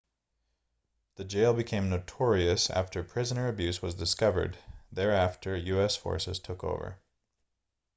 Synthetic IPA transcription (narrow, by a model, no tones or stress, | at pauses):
ðɨd͡ʒeɪlˠbɨkʰẽɪ̃mnoʊtʰɔɹiɨsæ̰ftʰə˞pʰɹ̥ɪzənə˞ɨbjʉswʌzdɨskʌvə̰˞d̪̚ðə˞æftʰə˞jʉɛsfɔ̰ɹsɨ̰z̥tʰʊko̰ʊvə̰˞